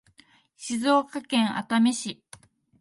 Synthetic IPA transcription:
ɕizoːkakẽ̞ɰʔa̰t̪ameɕi

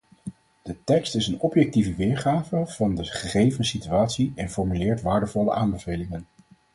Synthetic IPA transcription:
d̥ətɛkstɪsənɔpjɛk̚tivəʋɪːɹχaːvəv̥ɑndəχəχejvənsityaːtsiɛnfɔɹmylɪːɹtʋaːɹdəvɔlə̰ʔaːmbəvejlɪŋən

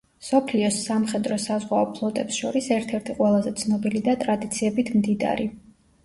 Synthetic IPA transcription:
sɔpʰliɔsːamχɛd̪ɾɔsazʁwaɔpʰlˠɔt̪ʼɛpsʃɔɾisɛɾt̪ʰɛɾt̪ʰiqʼwɛlˠazɛt̪sʰnɔbilid̪at̪ʼɾad̪it̪sʰiɛbit̪ʰmd̪id̪̰ɾi

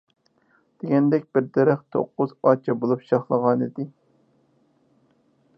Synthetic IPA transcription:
d̪̥eɡʲɛnd̪ɛkʲbɪɾd̪ɛɾæχt̪ʰo̰qːʊzɑt͡ʃʰɛbolˠupʃɑχlˠəʁɑnid̪ɪ

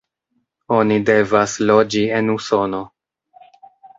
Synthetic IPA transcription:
o̞nide̞vaslo̞d͡ʒie̞nuso̞no̞

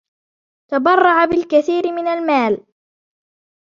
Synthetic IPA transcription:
t̪abɑrˤːɑʕabɪlkaθiːɾɪmɪnalmaːl

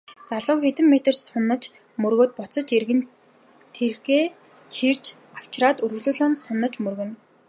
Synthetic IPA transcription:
t͡saɮʊːxet̪ɘ̆mːet̪ə̆rsʊnːə̆t͡ɕ | mɵrɣoːt̪̚pʊt͡sə̆t͡ɕerɣɘ̆n | t̪ʰerɣeː | t͡ɕʰir̥t͡ɕ | aw̥t͡ɕraːt̪ɵɾɣɵɮɵːɮoːnst̪ʰʊnːə̆t͡ɕmɵrɣɘ̆n

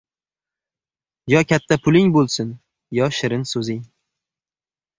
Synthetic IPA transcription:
jɒkʲʰat̪ʰːapʰʊlɪŋbolˠsɪn | jɒʃɪɾɪnsɵzɪŋ

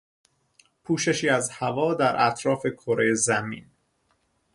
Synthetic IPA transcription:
pʰuːʃe̞ʃiːæzhævɒːd̪æɾʔæ̰t̪ʰɾɒːfe̞kʰoɾejezæmḭːn

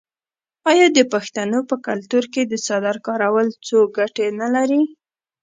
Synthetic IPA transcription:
ɑjɑd̪əpaxt̪anopəkalt̪uɾked̪əsɑd̪aɾkɑɾawəlt͡soɡaʈenalaɾi

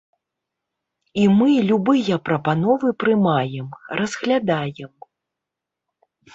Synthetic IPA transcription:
imɨlʲubɨjɐpɾɐpanɔvɨpɾɨmajɛmrɐzɣlʲad̪ajɛm

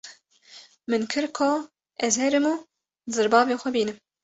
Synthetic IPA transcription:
mɨnkʰɨɾkʰo | ɛzhɛɾɨmuː | zɨɾbɑːveːxʷɛbiːnɨm

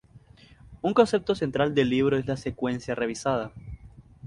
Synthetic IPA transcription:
uŋko̞nse̞p̚t̪o̞se̞nt̪ɾald̪e̞lːiβ̞ɾoe̞slase̞kwe̞nsjare̞β̞isað̞a

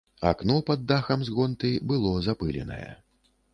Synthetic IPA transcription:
a̰knɔpad̪ːaxɐmzɣɔnt̪ɨbɨlˠɔzapɨlʲɛ̰nɐ̰jɛ̰

